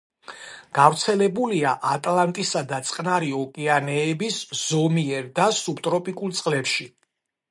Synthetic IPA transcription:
ɡ̥avɾt̪sʰɛlɛbuliaʔat̪ʼlant̪ʼisad̪at̪sʼqʼnaɾiɔkʼɛanɛːbisz̥ɔmiɛɾd̪asupt̪ʼɾɔpʼikʼulˠt̪sʼqʼlɛpʃi

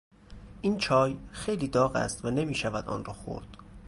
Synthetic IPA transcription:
ʔiːnt͡ʃʰɒːjxe̞jliːd̪ɒːɣæ̰st̪væne̞miːʃævæd̪ɒ̰ːnrɒːxo̰ɾd̪̥

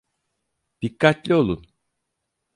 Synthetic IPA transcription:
d̪̥ikʰːat̪lʲio̞lˠun

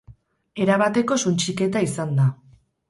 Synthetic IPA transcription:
e̞ɾaβ̞at̪e̞ko̞sunt͡ʃike̞t̪aisand̪a

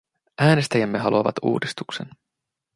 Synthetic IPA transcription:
ʔæːne̞st̪æjæmːe̞ɦɑluɑʋɑ̰t̪ṵːdist̪uksen

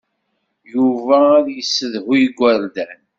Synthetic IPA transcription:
juvæɾjəsːəðʁiɡʷːəɾd̪æn

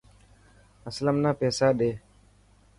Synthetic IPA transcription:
ɐsləmnaːpɛːsaːɗeː

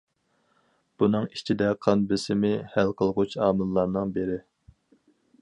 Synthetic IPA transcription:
b̥unɨŋit͡ʃʰid̪ɛqʰɑnbɪsɪmɪhælqʰəlˠʁʊt͡ʃʰɑːmɨlˠːɑɾnɨŋbeɾɪ

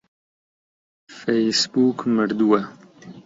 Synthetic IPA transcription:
fejsbukməɾd̪uwa

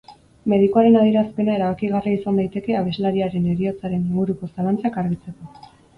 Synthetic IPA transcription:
me̞ðikuaɾe̞naðje̞ɾaspe̞nae̞ɾaβakiɣariisand̪ajt̪e̞keaβ̞e̞zlaɾiaɾe̞neɾio̞t͡saɾe̞niŋɡuɾuko̞salant͡sakaɾɣit͡se̞ko̞

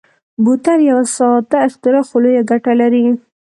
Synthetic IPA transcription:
but̪aɾjawasɑt̪aɪxt̪ɪɾɑxolojaɡaʈalaɾi

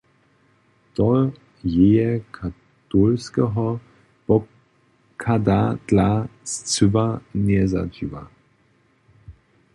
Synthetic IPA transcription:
tɔ | jejɛkʰa | tolskɛɦɔ | b̥ɔ | kʰadad̥last͡sʏvanɛza̰d͡ʒiva̰

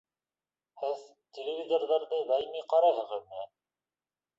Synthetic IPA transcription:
hɘð | t̪ʲelʲɪvʲizorðɑɾðɤd̪ɑjmiqɑɾɑɦɤ̆ʁɤðmiɘ

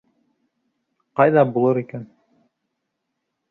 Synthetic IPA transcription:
qɑjðɑbulˠɤɾikæn

